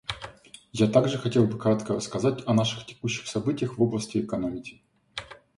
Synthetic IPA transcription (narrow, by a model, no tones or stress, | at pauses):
jat̪aɡʐɨxɐtʲe̞lˠbɨkɾat̪kərəskɐzatʲɐnaʂɨ̥xtʲɪ̥kuɕːɪ̥xsɐbɨtʲɪjəxvoblˠəsʲtʲɪːkɐnomʲɪkʲɪ̥